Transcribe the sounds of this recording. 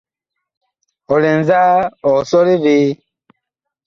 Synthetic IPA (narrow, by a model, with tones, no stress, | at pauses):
ɔ˨lɛ˨nza˦ɔ˨sɔ˦ɾe˦ve˦